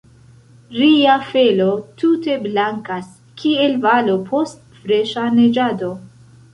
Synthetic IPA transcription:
ɾiafe̞lo̞tute̞blaŋkas | kʰie̞lvalo̞pʰo̞st | fɾe̞ʃane̞d͡ʒado̞

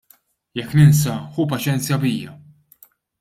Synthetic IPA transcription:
jɛkːnɪns̬ɐhuːpɐt͡ʃɛnt͡sjɐbiːjːɐ̰

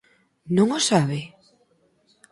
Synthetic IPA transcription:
nõŋosaβe

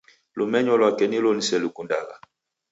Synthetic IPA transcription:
lumɛɲɔlwakɛnilɔnisɛlukunda̰ɣa̰

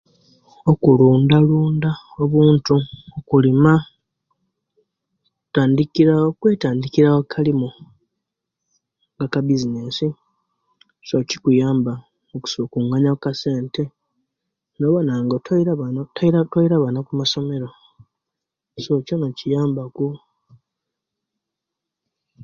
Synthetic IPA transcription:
okuluːndaluːndaoβuːntuokulima | taːndikiɾaokwe̞ːtaːndikiɾawokʰalimu | ŋɡakabizinesi | so̞ci̥kujaːmba | oku̥sokuŋaɲakase̞ːnte̞ | noβonaŋɡotɾantaiɾatwoiɾaβanakumaso̞me̞ɾo | soconocijaːmbaku

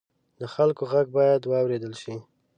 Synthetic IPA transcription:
d̪əxalkoɣaɡ̚bɑjad̪wɑwɾed̪əlʃi

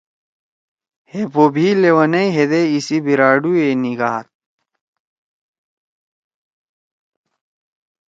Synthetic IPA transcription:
hepobʱilewɐnɐiɦed̪eisibiɾaːɖueniɡaːt̪̚

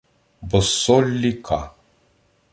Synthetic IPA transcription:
bəsːɔlːikʰa̰

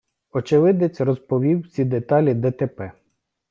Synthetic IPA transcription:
ɔt͡ʃɪʋɪd̪et͡sʲrɔzpɔʋʲiwsʲid̪et̪ɑlʲid̪ɛt̪ɛpɛ

